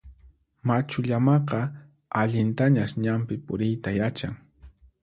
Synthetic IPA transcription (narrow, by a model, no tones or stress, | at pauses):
mat͡ʃʊʎamɑqɑ | aʎɪnt̪aɲaʃɲampɪpʊɾɪjt̪ajat͡ʃaŋ